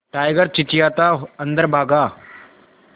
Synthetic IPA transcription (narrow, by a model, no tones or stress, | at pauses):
ʈajɡəɾt͡ɕit͡ɕijat̪aənd̪əɾbʱaɡa